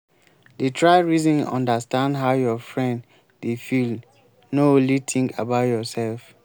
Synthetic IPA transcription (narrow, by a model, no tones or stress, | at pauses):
detʰɹaɪɹizɔ̃nɔ̰̃ndastãndɦaʊjɔfɹɛ̃nd | defil | nõlit̪ʰĩŋkʰabaʊtjɔsɛlf